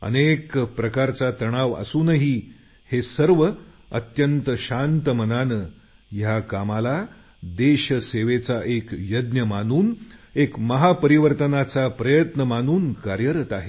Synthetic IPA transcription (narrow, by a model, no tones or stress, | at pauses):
ə̰nekpɾəkaɾt͡sat̪əɽ̃aʋə̰suːnəɦiː | hesəɾʋə | ə̰t̪jənt̪əɕant̪əmənanə | jakamala | d̪eɕəseʋet͡saʔekjəd̪njəmanuːnekməɦapəɾiʋəɾt̪ənat͡sapɾəjət̪nəmanuːnkaɾjəɾət̪aɦe